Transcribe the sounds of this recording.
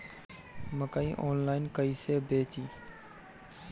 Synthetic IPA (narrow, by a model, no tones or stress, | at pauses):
məkaːiːʔoːnlaːɪnkəiːseːbeːt͡ʃiː